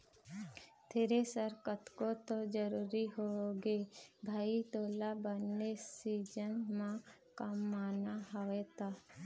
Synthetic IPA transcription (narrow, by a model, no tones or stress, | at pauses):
t̪ʰeɾesəɾkət̪kot̪od͡ʒəɾuːɾiɦoɡeːbʱaːit̪oːlabənːesiːd͡ʒənmã | kəmːaːnaɦɔʋet̪aː